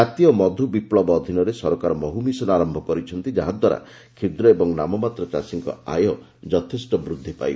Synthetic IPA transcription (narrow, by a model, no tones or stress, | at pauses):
at̪ijɔmɔd̪ʱubiplɔbɔːd̪ʱinɔɾesɔɾɔkaɾɔmɔɦumisɔnaɾɔmbʱɔkɔɾit͡ʃʰɔnt̪id͡ʒaɦad̪waɾa̰ | kʰid̪ɾɔebɔŋnamɔmat̪ɾɔt͡ʃa̰siŋkɔ̰a̰jɔ | d͡ʒɔt̪ʰesʈɔbɾud̪ʱːipa̰j